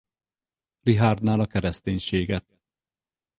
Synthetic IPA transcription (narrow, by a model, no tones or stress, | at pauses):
liɦaːrd̪naːlɒkɛɾɛst̪eːɲʃeːɡɛt̪